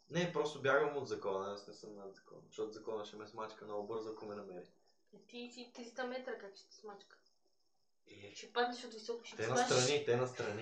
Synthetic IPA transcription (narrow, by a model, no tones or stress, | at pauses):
nɛpɾɔst̪ʊbʲjaɡvəmod̪zɐkɔnɐnsnɛsəmnad̪zɐkɔ̰nʃtɔt̪ʊzɐkɔnəʃɛmɛsmat͡ʃkənɔɡʊbɤɾzʊkomɛnɐmɛɾi | ɛt̪isit̪ɾist̪ɐmɛt̪ɾɐkakt͡ʃi̥t̪ɛ̥smat͡ʃkə̥ | ɛt͡ʃɛpad̪nɛʃot̪visɔkʊ̥ʃi̥t̪ɛɛnɐst̪ɾɐnit̪ɛnɐst̪ɾɐni